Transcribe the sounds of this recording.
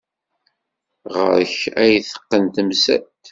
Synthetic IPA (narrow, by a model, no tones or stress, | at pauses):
ʁə̰ɾəçæjθə̥qːənt̪əmsæ̰t̪